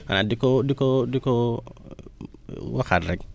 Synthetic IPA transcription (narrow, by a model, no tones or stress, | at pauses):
a̰nadikodikodiko | waxatɾɛk